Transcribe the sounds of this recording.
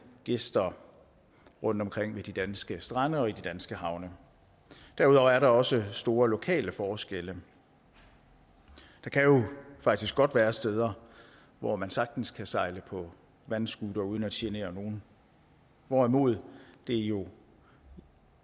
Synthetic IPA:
ɡ̥e̝sd̥ɐ | ʁɔ̽n̰d̥ɒ̽mkʰʁeŋ̰ʋed̥id̥ænsɡ̥əsd̥ʁɑnəɒ̽id̥id̥ænsɡ̥əhɑ̈ʊ̰nə | d̥æɐuð̞ˠɒʊæɐɾɑ̈ɒ̽səsd̥o̝ːɐlo̝kʰɛ̰ːləfɒːsɡ̥elə | d̥ɑ̈kʰæjo̝fɑ̈ɡ̥d̥isɡ̥ɒ̽d̥ʋæːɐsd̥eð̞ˠɐ | ʋɒmænsɑ̈ɡ̥̚d̥n̩skʰæsɑ̈ɪləpʰɒ̽ | ʋænsɡ̥ud̥ɐuð̞ˠn̩æ̥ɕʰiəne̝̰ːɐno̝ːn̩ | ʋɒimo̝ð̞̰ˠd̥e̝jo̝

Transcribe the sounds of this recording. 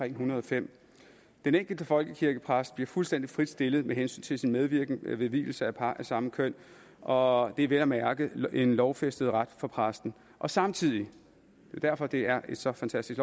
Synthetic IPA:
ɛŋ̰ɦunɐðˠɒ̽fem̰ | d̥eneŋ̰ɡ̥l̩d̥əfɒ̽lɡ̥əkʰiɐɡ̥əpʰʁasd̥b̥liɐfulsd̥en̰d̥ifʁid̥sd̥e̝ləð̩ˠmeɦensy̰ːnt͡sʰe̝lsinmeð̞ˠʋiɐɡ̥n̩ʋe̝ʋḭːl̩səæpʰɑ̈ʔæsɑ̈məkʰøn̰ | ʔɒ̽d̥e̝ʋelæmæɐɡ̥əe̝nlɒʊfesd̥əð̞̩ˠʁad̥fɒ̽pʰʁasd̥n̩ | ʔɒ̽sɑ̈mt͡sʰið̞̰ˠi | d̥ed̥æɐ̰fɒ̽d̥e̝æɐʔe̝d̥sɒ̽fænt͡sʰæsd̥isɡ̥l

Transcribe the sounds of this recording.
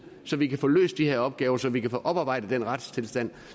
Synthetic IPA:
sɒ̽ʋikæfɔ̰ːlø̰ːsd̥ihe̝ɐɒ̽b̥̚ɡ̥ɛːʊɐsɒ̽ʋikæfɔ̰ːʔɒ̽b̥ɑ̈ːb̥ɑ̈ɪ̰dðəd̥enʁɑd̥st͡sʰe̝lsd̥æn̰

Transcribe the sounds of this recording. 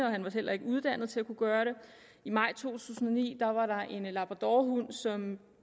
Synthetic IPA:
əɒ̽hænʋɑ̈hel̰ɐe̝ɡ̥əuð̞ˠd̥æn̰ð̩ˠt͡sʰe̝lækʰuɡ̥ɶːɐɾe̝ | imɑ̈ɪ̰t͡sʰo̝̰ːt͡sʰṵːsn̩ɒ̽nḭːd̥ɑ̈ʋɑ̈ɾɑ̈ʔe̝nlɑb̥ʁɑd̥ɒɦun̰sɒ̽m

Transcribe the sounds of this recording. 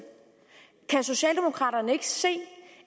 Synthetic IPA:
kʰæso̝ɕɛ̰ːld̥e̝mo̝kʰʁɑ̈ːɾɐnəe̝ɡ̥əse̝̰ː

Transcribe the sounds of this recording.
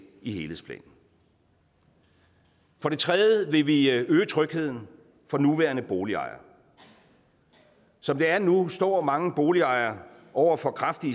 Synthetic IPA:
ihe̝ːlespʰlɛ̰ːnn̩ | fɒ̽ɾ̥e̝t͡sʰʁɛðˠjˠəʋe̝ʋiøːət͡sʰʁœɡ̥he̝ð̰ˠn̩ | fɒ̽nuʋæːɐnəb̥o̝ːliɑ̰̈ɪɐ | sɒ̽md̥eæɐnusd̥ɒ̰ːmɑ̈ŋəb̥o̝ːliɑ̈ɪɐ | ʔɒʊ̰ɐfɒ̽kʰʁɑfd̥i

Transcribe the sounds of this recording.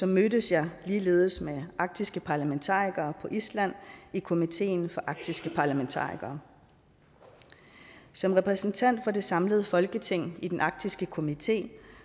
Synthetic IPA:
sɒ̽mːøɾəsjɑ̈ɪliːle̝̰ːð̞ˠəsmeʔɑ̈ɡ̥̚d̥isɡ̥əpʰɑ̈ːlæment͡sʰɑ̰̈ːiɡ̥ɐːpʰɒ̽ʔislæn̰ikʰo̝mit͡sʰe̝̰ːnfɒ̽ʔɑ̈ɡ̥̚d̥isɡ̥əpʰɑ̈ːlæment͡sʰɑ̰̈ːiɡ̥ɐː | sɒ̽mʁɛpʰʁɛsn̩t͡sʰæn̰d̥fɒ̽de̝sɑ̈mləð̞̩ˠəfɒ̽lɡ̥ət͡sʰe̝ŋ̰id̥enʔɑ̈ɡ̥̚d̥isɡ̥əkʰo̝mit͡sʰe̝̰ː

